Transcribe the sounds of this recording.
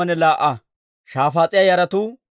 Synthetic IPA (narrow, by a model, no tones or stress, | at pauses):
ɐnɛlaːʔɐ | ʃaːfaːt͡sʼɪjɐjɐɾɐt̪u